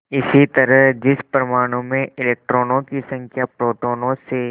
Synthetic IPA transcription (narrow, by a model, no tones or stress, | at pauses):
ɪsit̪ɐɾəɦd͡ʒɪspɾɐmaːɽ̃õmẽɪleːk̚ʈɾoːnõkisɐ̃ŋkʰjapɾoːʈoːnõse